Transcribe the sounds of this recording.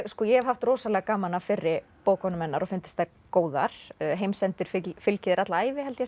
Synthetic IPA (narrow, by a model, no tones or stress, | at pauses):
skɔjɛhɛvhaft̪roːsalɛɣakaːmanafɪɾːɪ | poːwkʰɔnʏmɛnːaɾɔfɪnt̪ɪ̥st̪a | koːwða̰ɾ̥ɦejmsɛnt̪ɪɾ̥fɪfɪlcɪðɪɾat̪laaːjvɪhɦɛlt̪jɛ